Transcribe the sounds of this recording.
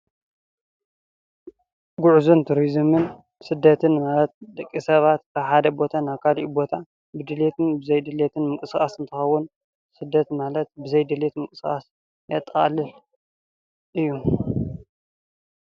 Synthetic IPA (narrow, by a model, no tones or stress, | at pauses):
ɡuʕzunt̪ʰuɾizmɨn | bsɨd̪ːɐt̪ʰɨnmalɐt̪̚d̪ɐkʼːisɐβat̪kʰaβħad̪ɐbo̞t̪ʰanaβkʰaliʔubo̞t̪ʰa | bɨd̪ɨlet̪ʰɨnbɨzɐjd̪ɨlet̪ʰɨnmɨkʼɨsxʼasɨnt̪ʰɨxɐwːʊn | sɨd̪ːɐt̪malɐt̪̚bɨzɐjd̪ɨlet̪mɨkʼɨsxʼa̰s | jɐt̪ʼːɐxʼa̰lɨl | ʔɨjːu